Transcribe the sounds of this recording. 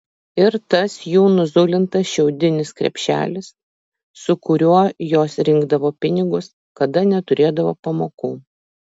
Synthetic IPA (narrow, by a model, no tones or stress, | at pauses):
ɪɾt̪ɐsjuːnʊzʊlʲɪnt̪ɐsʃʲɛʊd̪ʲɪnʲɪskɾʲɛ̰pʲʃʲæ̰ːlʲɪsː | ʊkʊɾʲuɔjoːsɾʲɪŋɡd̪ɐʋoːpʲɪnʲɪɡʊs | kɐd̪ɐnʲɛt̪ʊɾʲeːd̪ɐʋoːpɐmoːkuː